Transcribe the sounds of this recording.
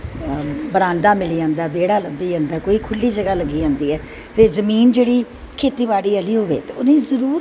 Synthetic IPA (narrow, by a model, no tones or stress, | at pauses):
bəɾãːnd̪aːmɪliːd͡ʒãːnd̪aːbeːɽaːləmbiːd͡ʒãːnd̪aːkoːiːkʰʊlːiːd͡ʒəɡaːləɡiːd͡ʒãːnd̪iːɛː | t̪eːzəmiːnd͡ʒeːɽiː | kʰeːt̪iːβaːɽiːəliːɦoːʋḛːt̪eːʊnẽːzəɾuːɾ